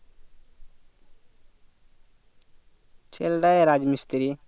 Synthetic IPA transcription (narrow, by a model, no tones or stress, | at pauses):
t͡ʃʰelɖajeɾad͡ʒmist̪ɾi